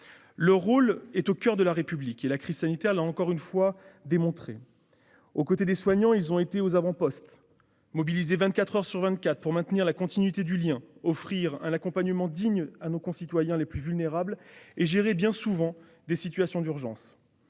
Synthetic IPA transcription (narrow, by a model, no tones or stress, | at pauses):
lœʁːolɛt̪okʲœʁd̪əlaʁepyblikelakχiz̥sanit̪ɛʁlaɑ̃kɔʁynfwad̪emɔ̃t̪χe | okot̪ed̪eswaɲɑ̃ilzɔ̃et̪eozavɑ̃pɔst̪ | mɔbilizevɛ̃nt̪kat̪χœʁsyʁvɛ̃nt̪̚kʲat̪χpuʁmɛ̃t̪niʁlakɔ̃t̪inɥit̪ed̪yljɛ̃ɔfχiʁɛ̰̃nakɔ̃paɲəmɑ̃d̪iɲanokɔ̃sit̪wajɛ̃leplyvylneʁableʒeʁebjɛ̃suvɑ̃ | d̪esit̪ɥasjɔ̃d̪yʁʒɑ̃s